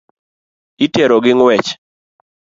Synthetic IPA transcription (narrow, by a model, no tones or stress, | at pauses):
itjɛɾɔɡɪŋwɛt͡ʃ